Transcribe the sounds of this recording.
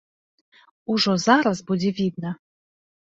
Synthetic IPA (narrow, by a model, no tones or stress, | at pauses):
uʐɔzaɾazbud͡zʲɛvʲid̪nɐ